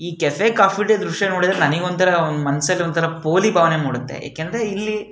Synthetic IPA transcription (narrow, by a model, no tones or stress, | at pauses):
iːkɛfekaːpʰiʈiɐd̪ɾuʂʈjɐnoːɽid̪ɐɾenɐniɡond̪t̪ʰɐɾɐond̪umɐnɐsɐlːiont̪ʰɐɾɐpo̞ːlibʱaːʋnemaːɽut̪ːḛja̰ːkend̪ɾeilːi